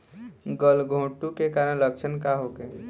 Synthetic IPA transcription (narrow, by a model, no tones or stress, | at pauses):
ɡəlɡʱõːʈukekaːɾənlək̚t͡ʃʰənkaɦoke